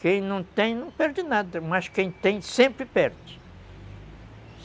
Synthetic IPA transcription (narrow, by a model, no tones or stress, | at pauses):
kẽj̃nɐ̃w̃t̪ẽj̃nɐ̃w̃pɛɾd͡ʒɪnad̪ɐmɐskẽj̃t̪ẽj̃sẽmpɾɪpɛɾd͡ʒɪ